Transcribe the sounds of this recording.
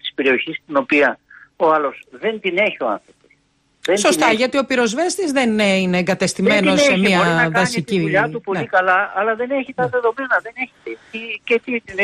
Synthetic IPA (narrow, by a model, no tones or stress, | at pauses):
t̪i̥spe̞ɾio̞çist̪ino̞piɐoɐlo̞sðe̞nt̪ine̞çio̞ɐ̰nθɾo̞pos | ðenso̞st̪ɐʝɐt̪io̞piɾo̞zve̞st̪izðe̞nineːŋɡɐt̪e̞st̪ime̞noseemiɐɾɐkðɐssit̪ciʎɐupo̞ikɐlɐːlɐðe̞neçit̪ɐðe̞ðo̞me̞nɐðe̞ne̞çet̪et̪icet̪it̪in